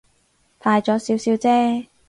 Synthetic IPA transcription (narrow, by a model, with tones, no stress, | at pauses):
fʰaː˧jt͡ʃɔː˨˥siː˨˥wsiː˨˥wt͡sɛː˥